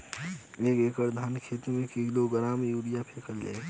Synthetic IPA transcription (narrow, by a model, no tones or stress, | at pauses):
eːkekəɾd̪ʱaːnkʰet̪ɾmẽkiɡloɡəɾaːmjuːɽijapʰekəlla̰